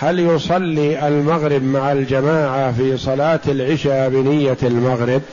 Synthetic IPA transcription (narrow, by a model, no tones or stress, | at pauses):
haljʊsˤɑlːiːʔalmaɣɾɪbmaʕald͡ʒamaːʕafiːsˤɑlaːt̪alʕɪʃaːbɪnɪjːaalmaɣɾɪb̚